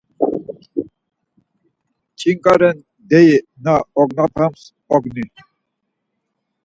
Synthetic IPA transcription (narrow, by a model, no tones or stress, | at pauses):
t͡ʃʼiŋkʼaɾɛn | d̪ɛjinaɔɡnapʰams | ɔɡni